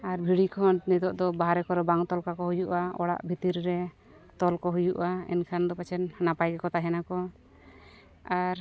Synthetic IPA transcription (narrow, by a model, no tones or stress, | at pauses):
aɾbʱiɽikʰɔɳʈnit̪ɔʔd̪ɔbaɦaɾɛkɔɾɛbaŋt̪ɔlkakɔɦujuʔaɔɽa̰ʔbʱit̪iɾɾɛ | t̪ɔlkɔɦujuʔaɛ̰nkʰand̪ɔpat͡ʃʰɛnnapajɡɛkɔt̪aɦɛnakɔ | aɾ